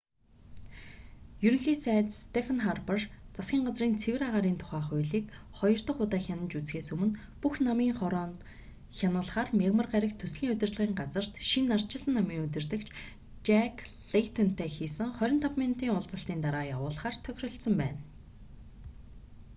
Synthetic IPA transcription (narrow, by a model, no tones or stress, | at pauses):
jɵɾɵ̆ŋxiːsæːt͡sst̪efʰanχarpart͡sasɡʲiːŋɢat͡sriːnt͡sʰewɘ̆raʁaːɾiːnt̪ʰʊ̥χæːχʊjɮiːk | χɔjɞ̆r̥t̪ə̆χʊt̪aːxʲanə̆nt͡ɕut͡sxeːsɵmɵ̆n | puxnamiːŋχɔɾɔːn | xʲjanʊːɮ̆χaːrmʲaɣmə̆rɢæɾʲɪ̆kt̪ʰɵsɮiːŋɵt̪ʲɘrt̪ɮə̆ʁiːŋɢat͡sə̆r̥t̪ʃinːar̥t͡ɕɪ̆sə̆nːamiːŋɵt̪ɘ̆rt̪ɘ̆kt͡ɕʰ | t͡ɕækɮet̪ʰɔnt̪ʰeːxiːsɘ̆ŋχœɾʲɪ̆nt̪ʰapmen̥t̪iːŋʊɮt͡sə̆ɬt̪iːnt̪aɾaːjawʊːɮ̆χaːrt̪ʰœxʲrɞ̆ɬt̪sə̆mpæ̰ːn